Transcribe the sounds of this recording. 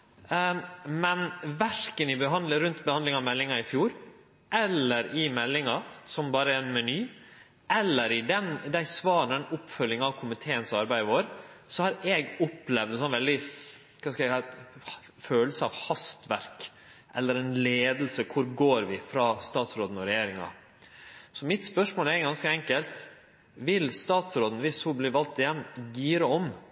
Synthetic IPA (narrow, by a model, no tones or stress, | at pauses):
mɛnʋæɾkənɪbəɦɑnd̪ɾʉnt̪bəhɑnlɪŋɑmɛlːɪŋɑɪfjuːɾ | ʔɛlːəɾɪmɛlːɪŋɑsɔmbɑːɾəɛɛnmɛnyː | ʔɛlːəɾɪd̪ɛnd̪æɪsʋɑːɾnəɛnʊpːfœlːɪŋɑʋkʰʊmɪt̪ʰeːənsɑɾbæɪʋoːɾ | sɔhɑɾɛːɡʊplɛʋd̪ɛnsɔnʋɛld̪ɪ | kʰɑskɑæ | føːləsəɑʋhɑst̪ʋæɾk | ʔɛlːəɾɛɪnleːd̪l̩səkʰʊɾɡoːɾʋɪfɾɑːst̪ɑːt̪sɾoːd̪n̩ɔɾɛjeːɾɪŋɑ̰ | sɔmɪt̪spœʂmoːlæɾɡɑnskəɛŋkəlt̪ | ʋɪlst̪ɑːt̪sɾoːd̪n̩ʋɪshubliːʋɑlt̪ːɪjɛnːɡiːɾəɔm